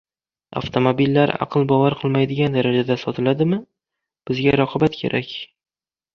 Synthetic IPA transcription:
a̰ft̪ʰo̞mobilːaɾɑ̰qʰɨlˠbɒvaɾqʰɨlˠmajd̪ɪɡʲand̪aɾad͡ʒad̪asɒt̪ʰɪlad̪ɪmɪ | b̥ɪzɡʲaɾɒqʰɒbat̪kʲʰe̞̰ɾʔakʲ

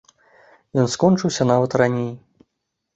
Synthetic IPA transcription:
jɔnskɔnt͡ʂɨwsʲɐnavɐt̪ranʲej

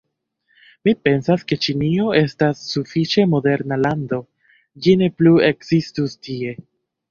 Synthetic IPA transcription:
mipe̞nsaske̞t͡ʃinio̞e̞stasːufit͡ʃe̞mo̞de̞ɾnalando̞ | d͡ʒine̞plue̞kzistustie̞

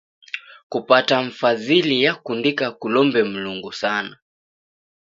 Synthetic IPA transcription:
kupataɱ̩fazilijakundikakulɔmbɛm̩luŋɡusana

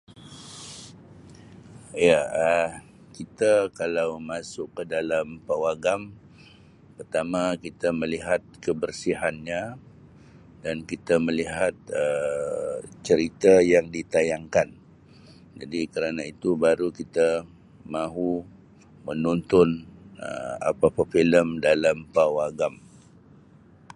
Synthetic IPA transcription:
jaə | kit̪akalawmasʊkːədalampawaɡam | pərt̪amakit̪aməliɦat̪̚kəbərsiɦanɲã | dankit̪aməliɦat̪̚ə | t͡ʃəɾit̪ajaŋdit̪ajaŋkan | d͡ʒadikəɾanait̪ubaɾukit̪a | mãɦu | mənɔnt̪ʊnə̰a̰papafiləmdalampawaɡam

